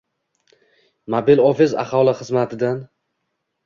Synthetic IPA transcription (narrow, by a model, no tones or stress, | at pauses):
mabɪlɒfɪza̰χɒlˠɪχɨzmat̪ʰɪd̪an